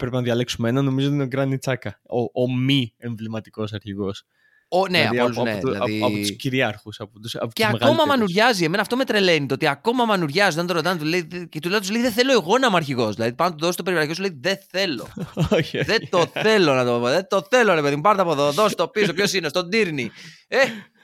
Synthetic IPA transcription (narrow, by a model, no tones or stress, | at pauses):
pɾepenɐðʝɐleksumeenɐno̞mizoot̪inoɡɾɐnit͡sɐkɐoʔomieɱvlimɐt̪i̥ko̞sɐɾçiɣo̞s | oneɐ̰poluznelɐ̰ðiiɐpot̪usciɾiɐɾxusɐpot̪usɐ̰poeɐmeɣo̞mɐmɐnuɾʝɐzieme̞nɐft̪o̞me̞t̪ɾe̞le̞nit̪oo̞t̪iɐko̞mɐmɐnuɾʝɐzoðnt̪oɾot̪ɐnt̪uleiðet̪ulɐðt̪sleiðeθe̞lo̞eɣo̞nɐmoɐɾçiɣo̞zðilɐðipɐnot̪oðost̪opeɾiɐɾkos̬uleiðe̞θe̞lo̞oçoðet̪oθe̞lo̞nɐt̪ooðet̪o̞θe̞loɾe̞peðimupɐɾt̪eɐpoðoðost̪o̞pisst̪opçosinest̪o̞nd̪iɾnie